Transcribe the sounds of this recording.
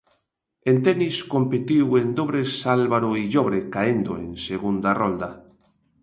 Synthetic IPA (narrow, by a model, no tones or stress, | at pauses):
ent̪ɛniskompet̪iwend̪oβɾesalβaɾoiʎoβɾekaend̪oeŋseɣund̪arɔld̪a